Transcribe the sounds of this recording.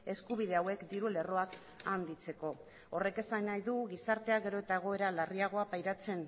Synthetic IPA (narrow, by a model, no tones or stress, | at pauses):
e̞skuβ̞iðe̞awe̞kd̪iɾule̞ro̞ak | and̪it͡se̞ko̞ | ore̞ke̞sanajðuɣisaɾt̪e̞aɣe̞ɾo̞e̞t̪aeɣ̞o̞e̞ɾalariaɣ̞o̞apajɾat͡se̞n